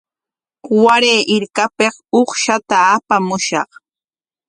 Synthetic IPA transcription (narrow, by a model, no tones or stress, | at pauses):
waɾeːʔɪɾkapeχoχʃat̪aːpamʊʃɑ̰χ